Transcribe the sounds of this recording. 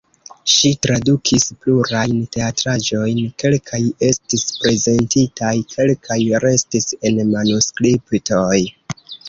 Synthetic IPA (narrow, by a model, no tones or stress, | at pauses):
ʃitɾadukʰispluɾajnte̞atɾad͡ʒo̞jnke̞lkʰaje̞stispɾe̞ze̞ntitajkʰe̞lkʰajɾe̞stise̞nmanuskɾipto̞j